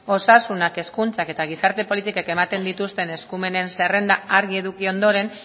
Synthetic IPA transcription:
o̞sasunake̞skunt͡sake̞t̪aɣ̞isaɾt̪e̞po̞lit̪ikake̞mat̪e̞nd̪it̪ust̪e̞ne̞skume̞ne̞nsere̞nd̪aaɾɣie̞ðukio̞nd̪o̞ɾe̞n

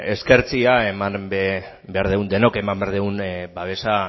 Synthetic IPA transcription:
e̞ske̞ɾt͡siae̞mamb | be̞aɾðeund̪e̞noke̞mambeaɾðeunbaβe̞sa

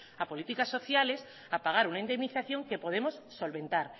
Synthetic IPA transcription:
apo̞lit̪ikasːo̞θjales | apaɣ̞aɾunaind̪e̞mniθaθjo̞ŋke̞po̞ð̞e̞mosːo̞lβẽ̞nt̪aɾ

